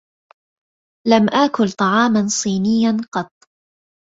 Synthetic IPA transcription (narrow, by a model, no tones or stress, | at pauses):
lamʔaːkʊlt̪ˤɑʕɑːmansˤiːnɪjːanqɑt̪ˤ